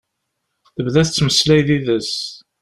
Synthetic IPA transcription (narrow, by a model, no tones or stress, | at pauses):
θəbðæθət͡sːməslæjðiðəs